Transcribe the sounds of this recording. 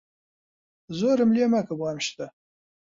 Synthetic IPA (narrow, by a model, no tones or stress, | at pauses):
zoɾɨmliːmɐkʰɨbɑːmʃt̪ʰʼɐ